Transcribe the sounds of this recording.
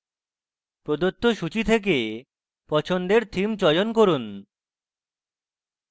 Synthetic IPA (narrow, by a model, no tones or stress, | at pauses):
pɾod̪ot̪ːoʃut͡ɕit̪ʰek̬e | pɔt͡ɕʰond̪eɾt̪ʰimt͡ɕɔjonkoɾun